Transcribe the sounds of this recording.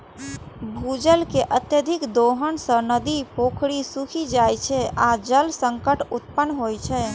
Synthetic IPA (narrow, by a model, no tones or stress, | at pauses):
bʱud͡ʒəlkeʔət̪jəd̪ʱikd̪oɦənsə̃nəd̪ipokʰɽisukʰid͡ʒajt͡ʃʰɛad͡ʒəlsəŋkəʈut̪̚pənːɦojt͡ʃʰɛ